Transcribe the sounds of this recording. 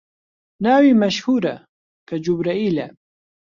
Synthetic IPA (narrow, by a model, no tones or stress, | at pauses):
nawimaʃhuɾa̰ | kad͡ʒʊbɾaɪla̰